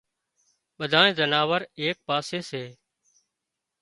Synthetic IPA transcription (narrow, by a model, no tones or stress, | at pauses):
ɓəd̪ʱaːẽːzənaːʋəɾeːk̚paːseːseː